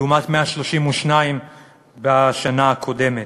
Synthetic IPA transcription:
umat̪meaʃloʃimuʃnaim | baʃanaakʰo̞de̞met

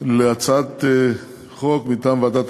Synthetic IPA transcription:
leat͡sat̪ | χokmit̪aːmveat̪at̪

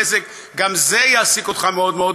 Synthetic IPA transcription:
esek | ɡamzejaːsikot̪χameod̪meod

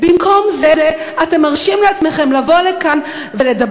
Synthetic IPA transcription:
bimkʰo̞mzeze | ate̞maʁʃimleat͡sme̞χe̞mlavo̞lekan | vele̞da

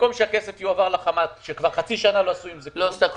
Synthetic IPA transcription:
komʃeakesefijuavaʁlaχamatʃekvaʁχat͡siʃanaloasuimzelost̪ak

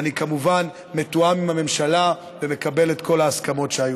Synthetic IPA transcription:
nikamuvan | me̞tuamimhame̞mʃala | veme̞kabe̞let̪ko̞laːskamo̞tʃeaju

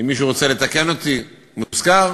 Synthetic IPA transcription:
imːiʃ̬uʁot͡se̞le̞t̪ake̞no̞t̪i | muzkaʁ

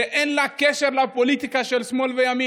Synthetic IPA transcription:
ɛʔɛnlakɛʃɛɾlapɔliːt̪ɪkaʃɛlsmɔlvɛjami

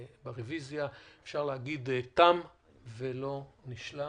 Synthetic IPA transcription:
beʁevizjaefʃaʁlehaɡid̪t̪am | velo̞niʃla

